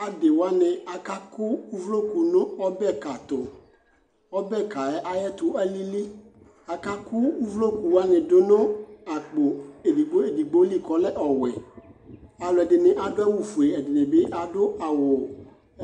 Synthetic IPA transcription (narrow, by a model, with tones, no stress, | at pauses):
a˨de˨wo˨a˦nẽ˨a˨ka˦ku˦u˦vlo˦ku˨nõ˦ɔ˦bɛ˦˨ka˨t̪o˨ | ɔ˦bɛ˦ka˨ɛ˦ʔa˦jɛ˦t̪o˨a˦li˦li˦ | a˨ka˦ku˦u˦vlo˦ku˨wo˦a˦nẽ˨do˦nõ˦a˨k͡po˨e˨di˨ɡ͡bo˦e˨di˨ɡ͡bo˦li˦kɔ˨˦lɛ˦ʔɔ˨wɛ˨ | a˨lo˨ɛ˨de˨nẽ˨ʔa˨do˦a˦wu˨fu˨e˨ɛ˨de˨nẽ˨be˦ʔa˨ɖo˦a˨wo˨